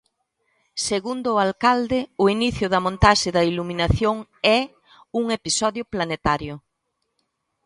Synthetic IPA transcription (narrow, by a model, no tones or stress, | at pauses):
seɣund̪ʊːalkald̪ɪʊiniθjʊðɐmõnt̪aʃɪðɐiluminaθjoŋɛ | uŋepisɔðjʊplanet̪aɾjʊ